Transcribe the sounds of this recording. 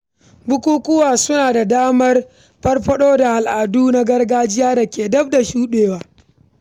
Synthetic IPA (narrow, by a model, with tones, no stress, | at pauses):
bʊ˦kʷuː˦kʷʊ˦waː˨sʊ˦naː˨da˨daː˦mɐ˦r | ɸɐ˦rɸɐ˦ɗoː˦da˨ha˨lʔaː˨duː˦na˦ɡɐ˦rɡaː˦d͡ʒɪ˦jaː˦da˨kʲeː˨dɐ˦b̚da˨ʃuː˦ɗeː˨waː˨˦